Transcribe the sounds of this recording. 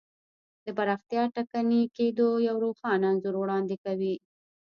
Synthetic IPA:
d̪əpaɾɑxt̪jɑʈakaniked̪ojawɾoxɑnaanzʊɾwɽɑnd̪ekawi

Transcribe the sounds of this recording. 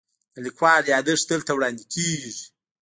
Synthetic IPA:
alikwɑɾjɑːd̪əʂd̪əlt̪awɽɑnd̪ikʰeʐi

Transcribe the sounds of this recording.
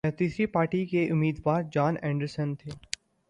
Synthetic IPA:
ɛ̃t̪iːsɾipaːɾʈikeʔʊmːiːd̪ʋaːɾd͡ʒaːnɛ̃ːɳɖəɾsənt̪ʰeː

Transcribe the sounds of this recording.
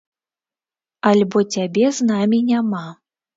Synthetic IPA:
alʲbɔt͡sʲabʲɛznamʲinʲama

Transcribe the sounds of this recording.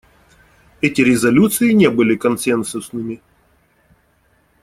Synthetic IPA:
ɛtʲɪɾʲɪzɐlʲut̪sɨɪnʲebɨlʲɪkɐnsʲɛnsʊsnɨmʲɪ

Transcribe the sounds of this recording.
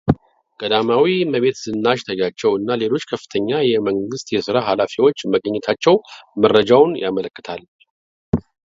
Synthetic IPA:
kʼəd̪amawiməβe̞t̪sɨnːaʃt̪ʰəd͡ʒat͡ʃːɛwɨnːale̞lo̞t͡ʃːkʰəfːɨ̥t̪ʰəɲːajɛməŋɡɨst̪jɛsɨɾaɦalafiwo̞t͡ʃːməɡʼəɲːɛt̪ʰat͡ʃːɛwmərːəd͡ʒawnjamələkːə̥t̪ʰal

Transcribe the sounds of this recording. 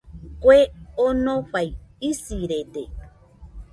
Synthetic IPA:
kʷeonoɸajisiɾede

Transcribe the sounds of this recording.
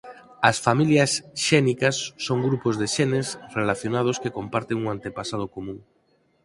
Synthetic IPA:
ɐsfamiljɐsʃɛnikɐsːoŋɡɾupozðeʃɛnesrelaθjonað̞oskekompaɾt̪eŋuŋant̪epasað̞okomũŋ

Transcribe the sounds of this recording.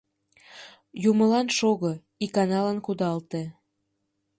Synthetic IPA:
jumə̆lɑnʃoɣo | ikɑnɑlənkud̪ɑlt̪e

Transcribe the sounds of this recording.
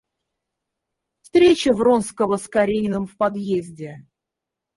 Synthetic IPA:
fst̪ɾʲet͡ɕəvronskəvəskaɾʲejnɨmfpɐd̪jezʲdʲɪ

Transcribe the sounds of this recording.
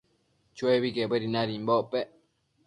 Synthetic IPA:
t͡ʃueβikebeɾinaɾimboʔpe

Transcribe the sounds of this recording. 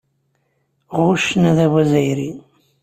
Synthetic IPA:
ʁʊʃnæðæwæzæjɾi

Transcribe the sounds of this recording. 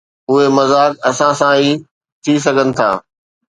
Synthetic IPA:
ʊɦemɐzaːkɐsãsãiː | t̪ʰis̬ɐɡʱənɪ̆t̪ʰa̰ː

